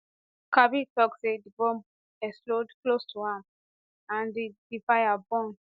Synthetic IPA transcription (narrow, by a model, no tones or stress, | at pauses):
kabitɔksedibɔ̃m | ɛslodklostʰuhãm | ãndidifajabɔ̃n